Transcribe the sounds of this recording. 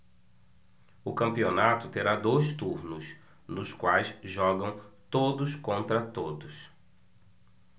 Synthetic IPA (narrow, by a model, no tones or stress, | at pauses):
ʊkɐ̃mpionat̪ʊt̪eɾad̪ojst̪uɾnʊs | nʊskwajsʒɔɡɐ̃w̃t̪od̪ʊskõnt̪ɾɐt̪od̪ʊs